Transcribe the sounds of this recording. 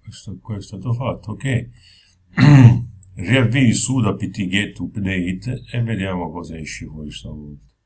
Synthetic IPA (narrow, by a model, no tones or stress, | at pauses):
ɛst̪akwaɛst̪aːt̪ofat̪ʰːoke | riavːisud̪apːit̪ːiɡet̪ːupneit̪ːɛvːed̪jaːmakɔːsaɛʃːifɔist̪amut̪